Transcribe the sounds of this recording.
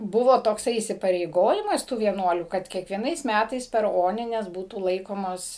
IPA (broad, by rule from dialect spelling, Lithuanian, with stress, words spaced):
ˈbʊʋoː toːkˈsɐɪ iːsʲɪpɐrʲɛɪˈɡoːjɪmɐs tuː ʋʲiɛˈnuɔlʲuː kɐt kʲiɛkʋʲiɛˈnɐɪs ˈmʲætɐɪs pʲɛr ˈoːnʲɪnʲɛs ˈbuːtuː ˈlˠɐɪkoːmoːs